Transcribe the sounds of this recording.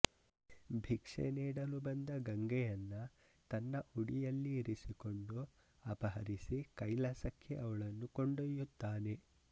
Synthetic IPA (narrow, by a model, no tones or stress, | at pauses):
bʱikʂḛniːɽɐlubɐnd̪ɐɡɐŋɡɛjɐnːɐ | t̪ɐnːɐʔuɽijɐlːiːɾisiko̞ɳɖu | ɐpɐɦɐɾisikɐjlɐsɐkʰjeʔɐʋɐɭɐnːukoɳɖojːut̪ːaːne̞